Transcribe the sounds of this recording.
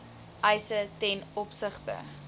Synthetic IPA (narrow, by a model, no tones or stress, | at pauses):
ʔɐjsətɛnɔpsəχtə̰